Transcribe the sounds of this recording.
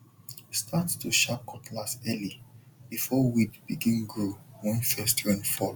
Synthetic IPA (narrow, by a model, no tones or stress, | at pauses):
stʰattuʃap̚kʰɔtʰlasɛli | bifɔwidbiɡĩnɡɹowɔ̃nfɛstʰɛ̃nfɔl